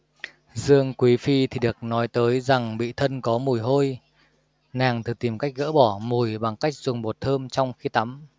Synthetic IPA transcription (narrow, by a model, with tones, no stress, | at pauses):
zɨ˧əŋkwi˨˦fi˧t̪ʰi˨˩ɗɨ˨˩ək̚nɔ˨˦jt̪əː˨˦jza˨˩ŋɓḭ˧˨t̪ʰə˧nkɔ˨˦mu˨˩jɦo˧j | naː˨˩ŋt̪ʰɨ˨˩t̪i˨˩mka˦˥jk̟̚ɣə̰ː˧˥ɓɔ˧˩mu˨˩jɓa˨˩ŋka˦˥jk̚zʊ˨˩ŋ͡mɓo˨˩t̚t̪ʰəː˧mt͡ɕɔ˧wŋ͡mxi˧t̪a˨˦m